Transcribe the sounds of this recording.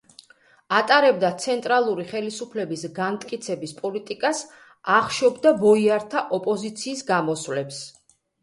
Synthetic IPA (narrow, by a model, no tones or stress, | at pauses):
at̪ʼaɾɛb̚d̪at̪sʰɛnt̪ʼɾalˠuɾiχɛlisupʰlɛbisɡamt̪ʼkʼit̪sʰɛbispʼɔlit̪ʼikʼas | aχʃɔbd̪abɔiaɾt̪ʰaʔɔpʼɔzit̪sʰiːsɡamɔsvlɛps